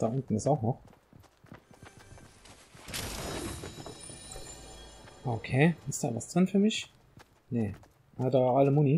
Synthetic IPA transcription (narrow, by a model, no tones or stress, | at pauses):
d̥aːʔʊntn̩ɪsaʊxnɔχ | ʔokʰeːɪstd̥a̰ːvasd̥ʁɪnfyːɐmɪç | ne | hadaːaləmʊni